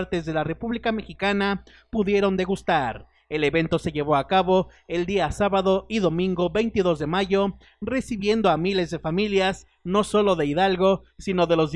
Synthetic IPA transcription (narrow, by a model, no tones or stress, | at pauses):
ɾt̪ezðe̞lare̞puβlikame̞xikana | puðje̞ɾo̞nd̪e̞ɣust̪aɾ | e̞le̞βe̞nt̪o̞se̞ʝe̞βo̞akaβo̞e̞ld̪iasaβaðo̞iðo̞mĩŋɡo̞βe̞jnt̪iðo̞zðe̞maʝo̞ | re̞siβje̞nd̪o̞amile̞zðe̞familjas | no̞so̞lo̞ðe̞iðalɣo̞sino̞ðe̞lo̞z